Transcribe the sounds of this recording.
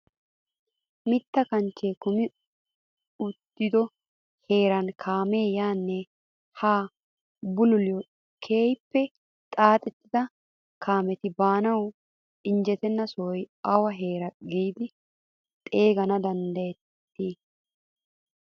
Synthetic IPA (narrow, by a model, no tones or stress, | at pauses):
mɪt̪ːɐkɐnt͡ʃːeːkʊmɪ | ʊt̪ːɪd̪ɔ | he̞ːɾɐnkʰaːme̞ːjaːnːɛ | haː | bʊlʊlɪjɔ | kʰe̞ːjpːɛ | t̪ʼaːt̪ʼɛt̪ːɪd̪ɐ | kʰaːmɛt̪ɪbaːnɐw | ɪnd͡ʒɛt̪ɛnːɐsɔjɐwɐɦeːɾɐɡiːd̪ɪ | t̪ʼe̞ːɡɐnɐd̪ɐnd̪ɐjɛt̪ːiː